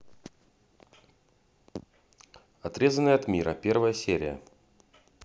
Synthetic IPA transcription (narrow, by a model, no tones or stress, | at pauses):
ɐt̪ɾʲe̞zənəjɐt̪mʲiɾəpʲe̞rvəjəsʲeɾʲɪjə̰